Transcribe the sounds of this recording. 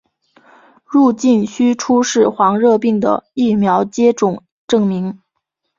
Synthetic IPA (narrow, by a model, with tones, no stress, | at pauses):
ɻu˥˧t͡ɕi˥˩nɕy˥ʈ͡ʂʰu˥ʂɻ̩˥˩xwɑ˧˥ŋɻɤ˥˧pi˥˩ŋd̪ə̰˩i˥˩mjɑ˧˥ʊt͡ɕjɛ˥ʈ͡ʂʊ˨˩ŋ | ʈ͡ʂɤ˥˩ŋmi˧˥ŋ